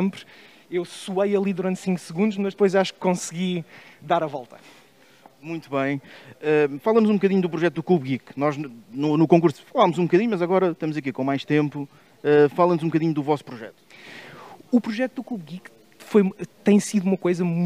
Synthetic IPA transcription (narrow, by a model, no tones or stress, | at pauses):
mpɾ | ewsuɐjɐlˠiðuɾɐ̃nt̪sĩŋksɨɣũnd̪uʃmɐʒd̪̚pojzaʃu̥kːõsɣid̪aɾɐvɔlˠt̪ɐ̥ | mũj̃t̪uβɐ̃j̃ɛfalˠɐmuzũbukɐðiɲud̪upɾuʒɛt̪uðuklˠuβɣiknɔʒnunukõŋkuɾsfɐlˠamuzũbukɐðiɲumɐzɐɣɔɾɐʃt̪ɐmuzɐk̬ikõmajʃt̪ẽmpu | ɛfalˠɐnzũbukɐðiɲud̪uvɔspɾuʒɛ̰t̪u̥ | upɾuʒɛt̪ud̪ukluβɣik | fojt̪ɐ̃j̃siðuumɐkojzɐm